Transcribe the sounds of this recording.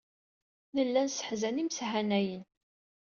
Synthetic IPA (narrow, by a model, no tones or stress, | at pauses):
nəlːænsə̥ħzænimsɦænæjən